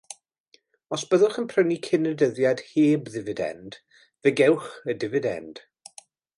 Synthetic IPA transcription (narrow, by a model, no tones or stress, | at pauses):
ɔsb̥əðʊχənpʰrənikʰɪnədəðjad̥heːbðɪvɨdɛ̰nd̥ | vɛɡɛwχədɪvɨdɛ̰nd̥